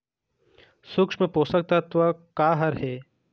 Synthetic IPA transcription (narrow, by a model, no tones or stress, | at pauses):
sʊkʂmẽpoːsək̚t̪ɐt̪ʋəkaːɦɐɾɦɛː